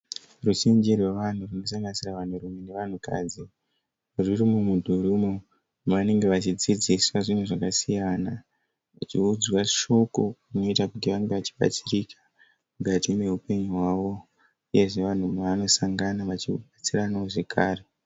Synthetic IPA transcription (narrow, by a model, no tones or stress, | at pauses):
rut͡ʃind͡ʒirwe̞ʋan̤urino̞saŋɡanisiraʋan̤urumene̞ʋan̤uka̰ːd͡zi | ririmumudʱuɾumo | ʋane̞ŋɡe̞ʋat͡ʃid͡zid͡ziswaʐin̤uʐakasijana | ʋa̰t͡ʃiud͡zwaʃo̞ko̞runo̞itakutiʋaŋɡe̞ʋat͡ʃi̥ɓa̰t͡sirika | muɡʱatime̞ɦupe̞ɲuɦwaːʋo̞ | uje̞ʐe̞ʋan̤umaʋano̞saŋɡanaʋat͡ʃiɓat͡siranaoʐe̞kʰaːre̞